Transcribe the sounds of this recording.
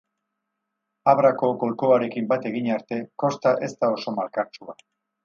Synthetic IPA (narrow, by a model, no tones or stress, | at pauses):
aβɾako̞ko̞lko̞aɾe̞kimbat̪e̞ɣiɲaɾt̪e̞ko̞st̪aʔe̞st̪ao̞so̞malkaɾt͡ʃua